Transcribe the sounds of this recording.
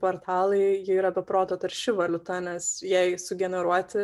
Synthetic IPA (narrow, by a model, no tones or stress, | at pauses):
poːɾt̪ʰɑːlˠɐɪjɪiːɾɐbʲɛpɾoːt̪oːt̪ɐɾʃʲɪʋɐlʲʊt̪ɐnʲɛsjɛɪsʊɡʲɛnʲɛɾuɔt̪ʲɪ